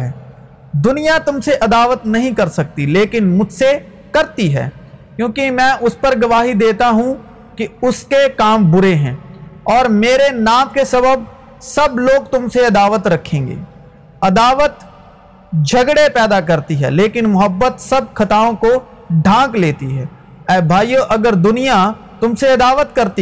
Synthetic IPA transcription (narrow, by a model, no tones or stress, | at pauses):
ɦɛː | d̪ʊnijat̪ʊmseʔɐd̪aːʋət̪nɐɦĩkɐɾsɐk̚t̪ileːkɪnmʊd͡ʒʱse | kɐɾt̪iɦɛ̰ːkjõːkimɛ̃ːʔʊspɐɾɡɐʋaːɦid̪eːt̪aɦũ | kiʊskekaːmbʊɾeɦɛ̃ːɔːɾmeːɾenaːmkesɐbəb̚ | sɐbloːɡt̪ʊmseɐd̪aːʋət̪ɾɐkʰːẽːŋɡḛː | ɐd̪aːʋət̪ | d͡ʒʱɐɡɽepɛːd̪akɐɾt̪iɦɛ̰leːkɪnmʊɦəbːət̪sɐb̚kʰɐt̪aːõko | ɖʱãːkleːt̪iɦɛː | ɛːbʱaːjoʔɐɡəɾd̪ʊnija | t̪ʊmseɐd̪aːʋət̪kɐɾt̪i